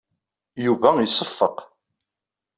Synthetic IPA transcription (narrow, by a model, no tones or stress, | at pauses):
juvæjisˤːəfːəq